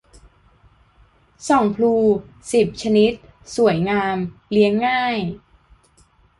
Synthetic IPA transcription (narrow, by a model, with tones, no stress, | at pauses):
sɔː˩˦ŋpʰluː˧ | si˨˩p̚t͡ɕʰa˧ni˦˥t̪̚ | su˨˩˦əjŋaː˧mli˦˥əŋːaː˥˩j